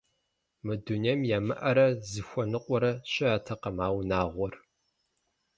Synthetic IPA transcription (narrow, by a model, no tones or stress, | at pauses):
mɨduniɛmjaːmɨʔɐɾɐzɨxʷɔnɨqʷʼɔɾɐɕʼɪaːtʰɐqɐmaːwnaːʁʷɔr